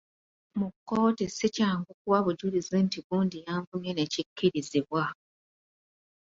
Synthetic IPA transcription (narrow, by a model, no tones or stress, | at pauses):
mukːo̞ːtesicaːŋɡuk̚uwaβuɟulizintiβuːndijaːɱvumjene̞cikːiɾiziβwa